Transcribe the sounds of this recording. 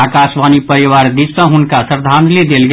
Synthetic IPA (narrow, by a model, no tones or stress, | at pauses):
akasʋanipəɾiʋaɾd̪isə̃ɦunkasəɾd̪ʱanlid̪elɡ